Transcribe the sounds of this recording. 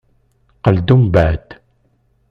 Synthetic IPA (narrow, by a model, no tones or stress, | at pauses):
qəld̪umbæd̪